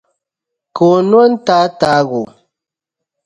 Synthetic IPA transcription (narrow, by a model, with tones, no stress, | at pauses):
ko˨nwɔ˦n˦ta˨˦ta˦ɣo˨